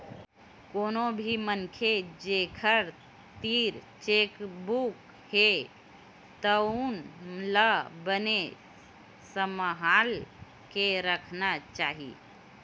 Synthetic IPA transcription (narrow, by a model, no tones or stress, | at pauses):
koːnobʱimənkʰed͡ʒekʰəɾ | t̪iɾt͡ʃekbuk | he | t̪ənmləbəne | səməɦal | keɾəkʰnat͡ʃaːɦḭ